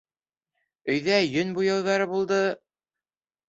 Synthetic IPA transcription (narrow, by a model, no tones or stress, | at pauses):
ɵ̆jðæjɵnbujɤ̆wðɑɾɤbulˠd̪ɤ